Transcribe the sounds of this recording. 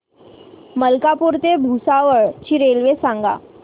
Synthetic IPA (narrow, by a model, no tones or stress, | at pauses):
məlkapuːɾt̪ebʱusaʋəɭt͡ɕiɾelʋesãŋɡa̰